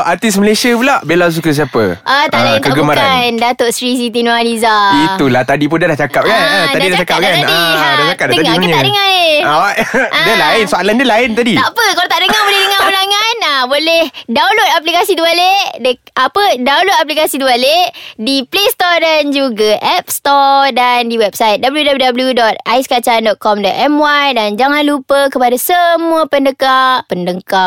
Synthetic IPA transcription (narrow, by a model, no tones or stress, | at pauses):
ʔat̪isməlesiapulaʔbelas̬ukəs̬iapə̰ʔat̪aʔlaintk̪aɡəumaɾandat̪oʔsɾis̬it̪inoalizait̪ulaht̪adip̬ʊndalaht͡ʃakap̚kanad̪adidaaakap̪̚kaadiaaakaəɡat̪aʔdəŋahe | ʔadalaɪnsoalandəlaɪnt̪adit̪apəkalot̪aʔdəŋaŋbolehdəŋaulaŋanabolɛhdawlot̪̚ap̬likasidualeʔʔdəapədaulot̪̚ap̬likasidualeʔdiplest̪ɔdand͡ʒuɡaʔɛp̚st̪ɔdandiwɛp̚sajt̪̚dabəljudabludabəljudɔt̪̚aiskat͡ʃandɔt̪̚kɔmdɔʔ̪ɛmwajdand͡ʒaŋanlupəkəpadasəmũapəndəkaʔpəndəŋkaʔ